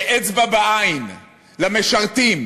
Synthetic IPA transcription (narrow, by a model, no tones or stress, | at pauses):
ʔet͡sbabaʔajin | lameʃaʁt̪im